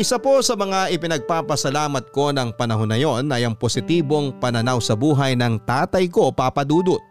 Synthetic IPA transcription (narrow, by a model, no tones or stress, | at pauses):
ʔɪsɐpo̞sɐmɐŋaʔɪpɪnɐɡ̚paːpɐsɐlaːmɐt̪̚ko̞nɐŋpɐnɐɦo̞nːɐjo̞nɐjɐŋpo̞sɪt̪iːbo̞ŋpɐnɐnawsɐbuːɦɐjnɐŋt̪aːt̪ɐjko̞paːpɐd̪uːd̪ot̪̚